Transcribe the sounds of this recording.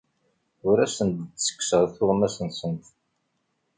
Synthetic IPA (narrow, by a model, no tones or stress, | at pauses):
ʊɾæsənt̪sə̥kːsəʁθʊʁmæsənsənt̪